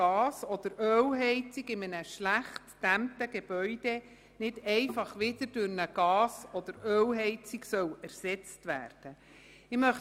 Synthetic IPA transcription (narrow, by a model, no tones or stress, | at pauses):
ɑːsɔd̥̪əɾʔøːwɦɛɪt͡siɡɪmənəʃlæχtːæmtəɡ̥eb̥œʏd̥e | nɪdɛɪfɑχʋɪd̪̥əɾd̥ʊɾnəɡ̥ɑːsɔd̪̥əɾøːlɦɛɪt͡siɡsœwæɾsɛt͡stʋæ̰ːrd̥ə | ɪmœχ